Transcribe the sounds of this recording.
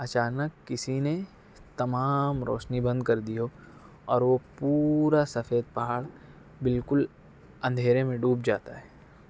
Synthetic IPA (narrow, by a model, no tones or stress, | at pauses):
ɐt͡ʃaːnəkːɪsine | t̪ɐmaːmɾo̰ːʃnibɐ̃nd̪kɐɾd̪io | ɔːɾʋopuɾasɐfeːd̪̚pɐɦaːɭ | bɪlkʊl | ɐ̃nd̪ʱeːɾemẽɖuːp̚d͡ʒaːt̪aɦɛː